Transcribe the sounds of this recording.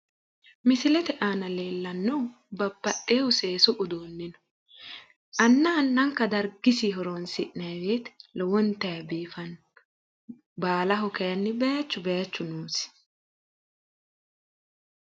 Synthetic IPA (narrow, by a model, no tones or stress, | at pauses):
mɪsɪlɛt̪ɛʔaːnɐle̞ːlːɐnːɔw | bɐbːɐʔːeːwʊseːsɔʔʊd̪oːnːɪnɔ̥ | ʔɐnːɐːnːɐŋkːɐd̪ɐɾɡɪsiɦɔɾoːnsɪʔnɐjbeːt̪lɔwɔnt̪ːɐjɐbiːfɐnː | baːlɐɦʊkɛjɐnːɪbɛjɐt͡ʃːʊbɛjɐt͡ʃːʊnuːsɪ̥